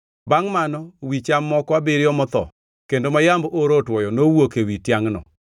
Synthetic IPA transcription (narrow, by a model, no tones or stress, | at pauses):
baŋmanɔwit͡ʃamːɔkwabɪɾjɔmɔt̪ɔ̰ | kendomajamboɾotwɔjɔnowokewitjaŋnɔ̰